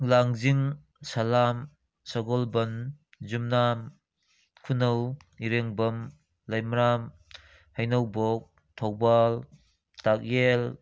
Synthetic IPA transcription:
laŋziŋ | salam | saɡɔlbɐn | zumnam | kʰunaw | iɾeŋbɐm | lajmɾam | hajnawbok̚ | tʰɔwbal | tak̚jel

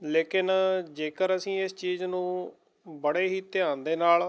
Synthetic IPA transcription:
leːkɪnd͡ʒeːkəɾəsĩːɪst͡ʃiːznũː | bəɽeːɦiːt̪ɪãːnd̪eːnaːl

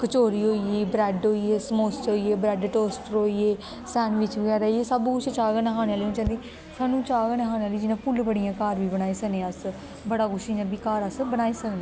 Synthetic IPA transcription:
kət͡ʃoːɾiːɦoːiiːbɾɛɖɦoːiːeːsmoːsʈɦoːieːbɾɛːɖʈoːsʈəɾoːiːeː | sɛːnʋɪt͡ʃʋəɡɛːɾaːieːsəbkʊt͡ʃʰt͡ʃaːɡnɦaːneːaːlĩːt͡ʃãːnd̪eː | saːnũːt͡ʃaːɡənɦaːneaːliːd͡ʒɪnãːpʊlbəɽijãːkaːɾʋiːbənaːiːsəɡnẽːəs | bəɽaːɡʊʃĩːd͡ʒãːbikaːɾəsbənaːiːsəkneː

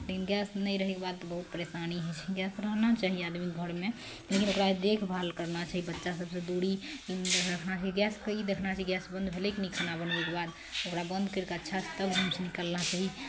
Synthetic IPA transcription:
lekinɡɛsnəĩɾəɦekebad̪̚t̪bəɦut̪̚pəɾesaniɦɛt͡ʃʰɛiɡjɛsɾəɦnat͡ʃaɦiad̪mik̚ɡʱəɽmẽ | lekinokɾaed̪ekʰbʱalkəɾnat͡ʃaːɦibətːʃasəbsed̪uɽi | ɾəkʰnat͡ʃaːɦiɡɛskəid̪ekʰnat͡ʃaɦiɡjɛsbə̃nd̪bʱelekenikʰənabənbekebad̪ | okɾabə̃nd̪kəɾkətːʃʰasʰt̪əbɡʱəmt͡ʃʰnikəlnat͡ʃaːɦi

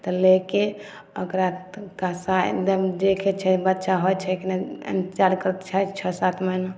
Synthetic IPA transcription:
t̪ɔleke | əkɾakasad̪əd͡ʒekʰet͡ʃʰɛbətːʃaɦojt͡ʃʰɛkinaə̰nt̪t͡ʃaɾkəɾət̪t͡ʃʰɛt͡ʃʰəsat̪ʰməjn

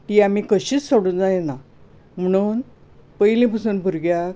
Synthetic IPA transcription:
t̪iam̤ikəɕiːt͡ssoɽuːnd͡zajena | m̤əɽ̃uːn | pəjlĩp̬əsuːnbʱuɾɡja

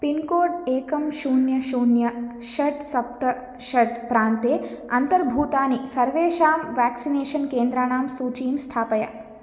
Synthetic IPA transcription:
pinkoːɖeːkɐmʃuːnjɐʃuːnjɐ | ʃɐʈsɐp̚t̪ɐ | ʃɐʈpɾaːnt̪eːɐnt̪ɐɾbʱuːt̪aːnisɐɾʋeːʃaːmʋaːksineːʃɐnkeːnd̪ɾaːɳaːmsuːt͡ʃiːmst̪ʰaːpɐja̰

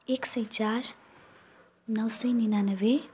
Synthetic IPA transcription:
eksəjt͡ʃaɾ | nʌwsəjninanəʋe

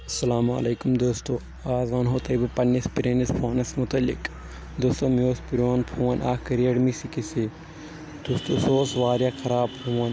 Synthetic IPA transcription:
ɐsɐlaːma̰leːkumd̪oːst̪o | aːzaːnɦoːt̪ɐibɐpɐnːispiɾeːnɐspʰoːnɐsmʊt̪ɐlːḭk | d̪ost̪oːmioːspiɾoːnpʰuːɐnʔaːkɐɾiɐɽmisikisi | d̪ust̪osoːsʋaːɾjaːkʰɐɾaːbhuːɐn

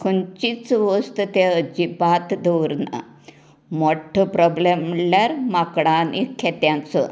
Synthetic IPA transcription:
kʰənt͡ɕit͡sʋəst̪ət̪eəd͡ʑibat̪d̪əʋɾna̰ | moʈʰəpɾɔblemljaɾmakɽãnikʰet̪jãnt͡sə̰

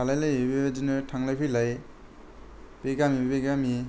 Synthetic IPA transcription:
alajlajebedinɯtʰaŋlajpʰijlaj | b̥eɡamibeɡami

